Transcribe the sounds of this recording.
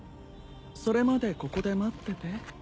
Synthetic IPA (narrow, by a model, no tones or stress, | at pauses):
so̞ɾe̞mad̪e̞ko̞ko̞d̪e̞mat̪ːe̞t̪e̞